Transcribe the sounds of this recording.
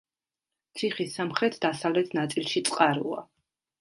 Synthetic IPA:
t̪sʰiχisːamχɾɛt̪ʰd̪asavlɛt̪ʰnat̪sʼilˠʃit̪sʼqʼaɾua̰

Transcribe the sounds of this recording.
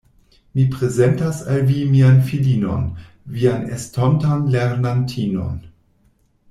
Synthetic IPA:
mipʁezentasalvimianfilino̰n | vianḛstʰontanleɾnantʰiːno̰n

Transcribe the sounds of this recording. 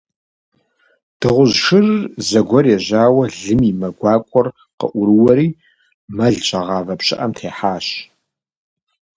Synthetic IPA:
d̥ɨʁʷʊʑʂɨrzɐɡʷɔrjɛʑaːwɐɮɨmimɐɡʷɑːkʷʼɔr | qə̰ʔʷʊɾɨwɐɾiː | mɐɮt͡ʃʼɐʁɑːvɐpɕʼɪ̰ʔɐmtʰeːħaːɕ

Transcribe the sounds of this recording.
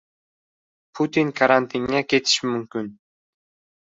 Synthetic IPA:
pʰut̪ʲinkʰaɾant̪iŋːekʲʰet̪ɪ̥ʃɪmʏmkʲin

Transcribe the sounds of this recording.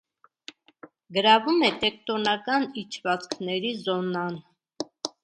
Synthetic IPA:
ɡəɾɑvumɛt̪ɛk̚t̪ɔnɑkɑnit͡ʃʰvɑt͡skʰnɛɾizɔnɑn

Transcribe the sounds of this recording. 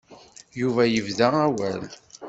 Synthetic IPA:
juvæjəvðææwæl

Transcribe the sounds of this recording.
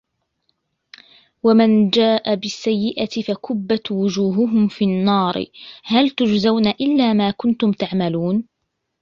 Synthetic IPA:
wamand͡ʒaːʔabɪsːajːɪʔat̪ɪfakʊbːat̪wʊd͡ʒuːɦʊɦʊmfiːnːɑːɾ̰halt̪ʊd͡ʒzawnaʔɪlːaːmaːkʊnt̪ʊmt̪aʕmaluːn

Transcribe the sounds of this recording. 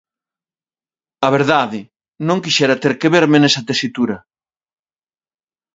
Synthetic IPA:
ɐβ̞eɾðaðɪ | nõŋkiʃɛɾɐt̪eɾkeβeɾmenesɐt̪esit̪uɾɐ

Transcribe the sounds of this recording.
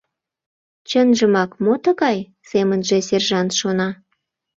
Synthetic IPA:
t͡ɕənʒə̆mɑkmot̪ə̆ɣɑj | semənʒĕserʒɑnt̪ʃonɑ

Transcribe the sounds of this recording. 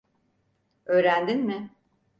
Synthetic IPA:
ø̞ːɾænd̪inmɪ

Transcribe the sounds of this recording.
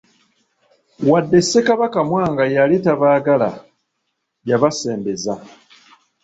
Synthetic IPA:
wadːe̞sːe̞kaβakamwaːŋɡajalitaβaːɡala̰ | jaβase̞ːmbe̞za

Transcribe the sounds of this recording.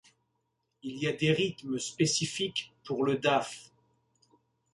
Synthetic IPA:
iliad̪eʁit̪məspesifikpuʁləd̪af

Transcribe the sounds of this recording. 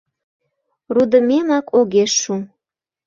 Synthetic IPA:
rud̪əmemɑkʰoɣeʃum

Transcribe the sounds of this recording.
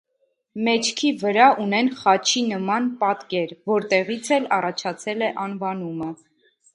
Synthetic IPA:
mɛt͡ʃʰkʰivəɾɑunɛnχɑt͡ʃʰinəmɑnpɑt̪kɛɾvɔɾt̪ɛʁit͡sʰɛlɑrɑt͡ʃʰɑt͡sʰɛlɛʔɑnvɑnumə

